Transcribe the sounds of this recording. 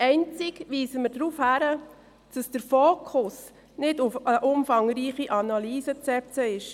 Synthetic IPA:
ɛɪnt͡sɪkʋiːsəməɾdɾuːfhæɾə | d̥ɑsd̥əɾfoːkʰʊs | nɪdʊfəʔʊmfɑŋɾiːχiʔɑnɑliːsət͡sɛp̚t͡səɪʃ

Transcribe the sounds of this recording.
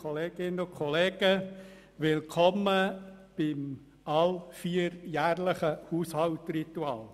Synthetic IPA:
oleːɡ̥ɪnəʊkʰɔleːɡ̥ə | ʋɪlkʰɔməb̥ɪm | ɑlfiːəɾjæːɾləχəhuːshɑʊtrit̪uɑːl

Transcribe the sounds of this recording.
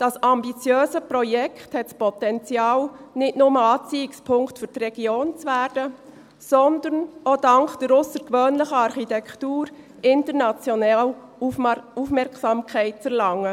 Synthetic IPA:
d̥ɑsɑmbit͡sjøːzəpɾɔjɛkthɛtspʰɔtɛnt͡sjɑːlnɪtnʊməɑːt͡siːɪkspʰʊŋktfʏɾd̥ɾɛɡ̥joːnt͡sʋæːɾd̥ə | sɔndəɾnʔodɑŋkd̥ɛɾʊsəɾkʋøːnləxəɑɾχitɛktuːɾ | ɪntəɾnɑt͡sjonɛl | ufmɛɾksɑmkʰɛɪtfɛɾlɑŋːə

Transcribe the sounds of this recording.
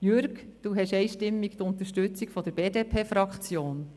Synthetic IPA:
jøɾɡd̥uɦɛʃɛjʃtɪmːikt̪ʊnt̪əɾʃtøt͡sikfɔd̥̪əɾb̥eːdeːpʰeːfɾɑkχt͡sjoːn

